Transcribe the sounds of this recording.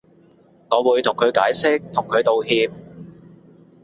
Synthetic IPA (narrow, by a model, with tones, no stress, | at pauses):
ŋɔː˨˧wuː˨˧jt̪ʰʊ˨˩ŋkʰɵ˨˧ɥkaː˨˥jsɪ˥k̚t̪ʰʊ˨˩ŋkʰɵ˨˧ɥt̪o˨whiː˧p̚